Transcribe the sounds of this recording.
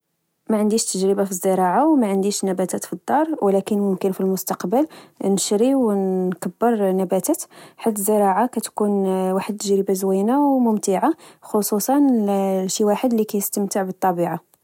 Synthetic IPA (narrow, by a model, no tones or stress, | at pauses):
mæʕənd̪iʃt̪əʒɾəbafizːəɾˤɑʕawmæʕənd̪iʃnæbæt̪æt̪fid̪ˤːɑɾˤwlækənmʊmkənfilmʊst̪ɑqbəlnʃɾiwkəbːəɾˤnæbæt̪æt̪ħat̪ːəzːəɾˤɑʕakæt̪kunwaħəd̪̚t̪ːəʒɾəbazwæjnawmʊmt̪əʕaxosˤusˤɑnʃiwaħəd̪likæjəst̪əmt̪əʕbət̪ˤːɑbiʕa